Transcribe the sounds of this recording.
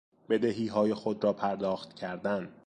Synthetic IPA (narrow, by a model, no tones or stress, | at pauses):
b̥e̞d̪eɦiːɦɒːje̞xod̪ɾɒːpʰæɾd̪ɒːxt̪cʰæɾd̪æn